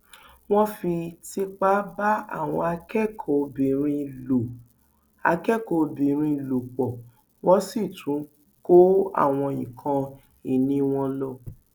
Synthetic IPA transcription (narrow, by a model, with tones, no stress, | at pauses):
w̃ɔ̃˦fi˧ti˧k͡pa˦ba˦a̰˦˨w̃ɔ̰̃˧a˧kɛ˦˨kʰo˨˦bĩ˨ɾ̃ĩ˧lo˨ | a̰˧kɛ˦˨ko˨˧˦bĩ˨ɾ̃ĩ˧lo˨k͡pɔ˨ | wɔ̃˦si˦˨tʰũ˨˦ | ko˦a̰˦˨w̃ɔ̃˧jĩ˨kʰã˧ | i˨nĩ˨˦w̃ɔ̃˧lɔ˦˨